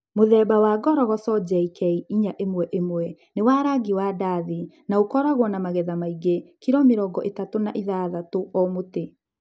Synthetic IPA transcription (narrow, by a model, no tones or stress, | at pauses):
moðɛbawaːɡɔɾɔɣɔsɔd͡ʑɛikɛiiɲaʔemwɛʔemwɛ | newaːɾaɡiwadaðinaokɔɾaɣwɔnamaɣɛðamaiɡekiɾɔmeɾɔɡɔʔetatonaʔiðaðatoʔɔmote